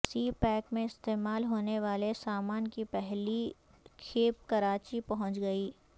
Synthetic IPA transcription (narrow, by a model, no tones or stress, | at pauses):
siːpɛːkmẽɪst̪eːmaːlɦoːneʋaːlesaːmaːnkipɛɦli | kʰeːp̚kɐɾaːt͡ʃipɐɦʊ̃ɲt͡ʃɡɐiː